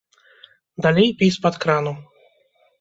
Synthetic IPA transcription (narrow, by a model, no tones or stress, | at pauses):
d̪alʲejpʲispat̪kɾanu